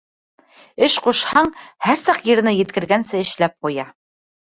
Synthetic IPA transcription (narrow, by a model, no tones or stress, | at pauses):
ɘʃquʃhɑɴhæɾsɑqjɤ̆ɾ̆nɘjɘ̆t̪kɘ̆ɾɡænsɘɘ̆ʃlæp̚qujɑ